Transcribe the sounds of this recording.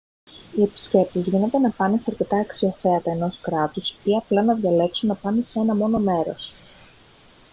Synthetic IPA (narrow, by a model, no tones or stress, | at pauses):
ie̞pi̥sce̞p̚t̪ezʝine̞t̪e̞nɐpɐnesɐɾce̞t̪ɐːksio̞θe̞ɐt̪ɐe̞no̞skɾɐt̪usot̪iɐplɐnɐðʝɐle̞ksunːɐpɐnese̞nɐmo̞no̞me̞ɾo̞̰s